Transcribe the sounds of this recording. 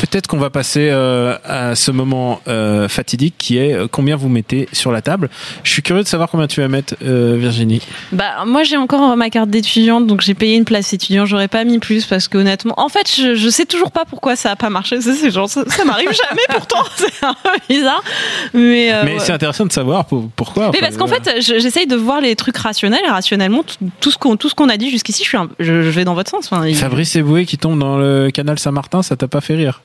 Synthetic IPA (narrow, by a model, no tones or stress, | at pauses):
pøt̪ɛt̪χə̥kɔ̃vapaseøasəmɔmɑ̃øfat̪id̪ikʰʲːiɛøkɔ̃bjɛ̃vumet̪esyʁlat̪ablʒ̥ə̥ʃɥikʲyʁjød̪əsavwaʁkɔ̃bjɛ̃t̪yvamɛt̪χøviʁʒinibamwaʒeɑ̃kɔʁɑmakaʁt̪̚d̪et̪yd̪jɑ̃t̪d̪ɔ̃kʒepɛjeynplasd̪et̪yd̪jɑ̃ʒɔʁɛpamiplyspaʁsə̥kəonɛt̪mɑ̰̃ʔɑ̃fɛt̪ʒəʒəsɛt̪uʒuʁpapuʁkwasaːpamaʁʃes̬asɛʒɑ̃ʁsasamaʁivvʒamɛpuʁt̪ɑ̃sɛɛ̃pøbizaʁmɛømɛsɛɛ̃t̪eʁɛsɑ̃d̪əsavwaʁpupuʁkwamɛpaʁsəkɑ̃fɛt̪ʒəʒesɛjd̪əvwaʁlet̪χykʁasjɔnɛlʁasjɔnɛlmɑ̃t̪ut̪usə̥kɔ̃t̪usə̥kɔ̃nad̪iʒyskʲisiʃɥiɛ̃ʒəʒəvɛd̪ɑ̃vɔt̪χsɑ̃sɑ̃fɛ̃ifabʁisebuekʲit̪ɔ̃bd̪ɑ̃ləkanalsɛ̃maʁt̪ɛ̃sat̪apafɛʁiːʁ